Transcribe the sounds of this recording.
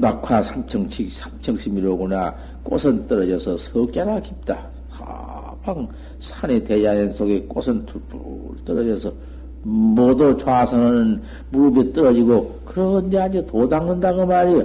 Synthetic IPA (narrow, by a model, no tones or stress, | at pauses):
nakʰasʰamt͡ɕʰʌŋt͡ɕʰiksʰamt͡ɕʰʌŋɕʰibiɾoɡuna̰ | k͈o̰sʰʌnt͈ɯɾʌd͡ʑʌsʰʌsʰʌk͈eɾakip̚t͈a | sa̰ | paŋ | sʰaneted͡ʑajensʰoɡek͈o̰sʰʌntʰupu | t͈ɯɾʌd͡ʑʌsʰʌ | mʌdot͡ɕoasʰʌnɯnn | mubit͈ɯɾʌd͡ʑiɡokɯɾʌndeaɲetodaŋnɯndaɡɯmaɾi